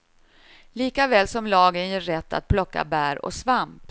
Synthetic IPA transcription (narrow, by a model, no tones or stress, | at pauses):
liːkavɛːlsɔmlɑːɡənjɛːɛt̪ːa̰t̪̚pʰlɔkːa̰bæːɾɔ̰svamp